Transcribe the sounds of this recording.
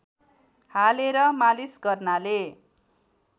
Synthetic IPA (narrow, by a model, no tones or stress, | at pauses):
haleɾʌmalisɡʌrnale